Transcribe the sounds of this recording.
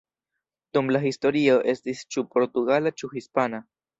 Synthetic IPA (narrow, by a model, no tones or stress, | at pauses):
t̪omlaɦisto̞ɾio̞ʔe̞stist͡ʃupo̞ɾtuɡalat͡ʃuhispana